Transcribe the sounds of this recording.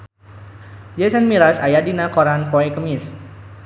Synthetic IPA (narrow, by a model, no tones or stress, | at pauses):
d͡ʒɛsənmiɾasajadinakoɾanpoɛkəmɪs